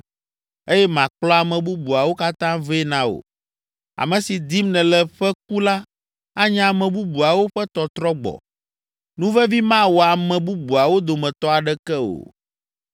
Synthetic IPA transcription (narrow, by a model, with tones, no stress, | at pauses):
e˦jɛ˦mã˨k͡plɔ˦a˨mɛ̃˨bu˦bu˨a˨wo˦ka˦t̪ã˦veː˦nã˦o̰˨ | a̰˨mɛ̃˨si˨d̪i˦mnɛ̃˨lɛ˦ɸɛ˦k̚u˦la˦ | a˦ɲ˦a˨mɛ̃˨bu˦bu˨a˨wo˦ɸɛ˦t̪ɔ˨t̪ɾɔ˦ɡ͡bɔ̰˨ | nũ˦vɛ˦vi˦mã˦wɔ˨a˨mɛ̃˨bu˦bu˨a˨wo˦d̪o˨mɛ̃˨t̪ɔ˦a˨ɖɛ˦kɛ˦o̰˨